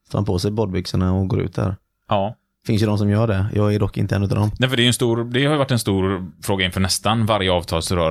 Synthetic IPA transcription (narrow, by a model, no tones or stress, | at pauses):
st̪ːpʰoːsɛjbɔd̪̚bʏksəɳaɔɡoːɾʉ̟ːt̪̚d̪æ̰ːɾ | ʔɑː | fɪnsjəd̪ɔms̬ɔmjœːɖɛjʔɑːɡæɖɔkːɪ̰nt̪əɛ̰nːʉt̪a̰nd̪ɔmnɛfəɖɛjɵɛnst̪uːɾd̪ɛhajʏvaʈːɛnst̪uːɾfɾoːɡaɪnfœːɳɛst̪anvaɾjəɑːvt̪ʰɑːlsɾœː